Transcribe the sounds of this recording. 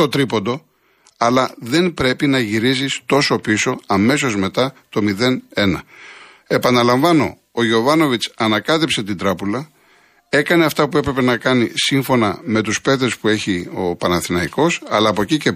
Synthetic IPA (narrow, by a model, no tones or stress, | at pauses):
to̞t̪ɾipond̪o̞ | ɐlɐðe̞nbɾe̞pinɐʝiɾizist̪o̞so̞piso̞ɐme̞s̬o̞zme̞t̪ɐt̪o̞miðe̞ne̞nɐ | e̞pɐnɐlɐɱvɐno̞̰ | ojo̞vɐno̞vit͡sɐnɐkɐt̪epse̞t̪ind̪ɾɐpulɐ | e̞kɐne̞ɐft̪ɐpue̞pɾe̞pe̞nɐkɐnisiɱfo̞nɐme̞t̪uspe̞ðespue̞çio̞pɐnɐθinɐiko̞sɐlɐːpo̞cice